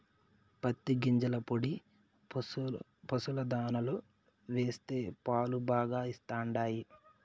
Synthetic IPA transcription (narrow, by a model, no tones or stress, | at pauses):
pɐt̪ːiɡiɲd͡ʒɐlɐpoɽi | pɐsulɐd̪aːnɐlo | ʋeːst̪e̞ːpaːlubaːɡaːist̪aːɳɖaːji